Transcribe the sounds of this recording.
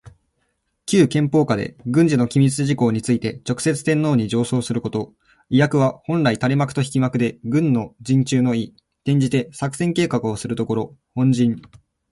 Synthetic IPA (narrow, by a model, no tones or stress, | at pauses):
kʲɨːkẽ̞mpo̞ːkad̪e̞̰ɡɯ̟̃ɲ̟d͡ʑino̞kʲimʲit͡sɨʑiko̞ːɲ̟it͡sɨit̪e̞t͡ɕo̞kɯ̟̥se̞t͡sɨ̥t̪ẽ̞nːo̞ːɲ̟id͡ʑo̞ːso̞ːsɨɾɯ̟ko̞t̪o̞ | ijakɯ̟β̞ahõ̞nɾait̪aɾʲimakɯ̟̥t̪o̞çi̥kʲimakɯ̟d̪e̞ɡɯ̟̃nːo̞d͡ʑĩɲt͡ɕɨːno̞i | t̪ẽ̞ɲ̟d͡ʑit̪e̞sakɯ̟sẽ̞ŋke̞ːkakɯ̟osɨɾɯ̟t̪o̞ko̞ɾo̞hõ̞ɲ̟d͡ʑĩɴ